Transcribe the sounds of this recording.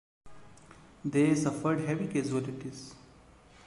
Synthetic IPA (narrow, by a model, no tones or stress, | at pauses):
d̪esəfəɾɖɦeʋiked͡ʒuɛliʈiz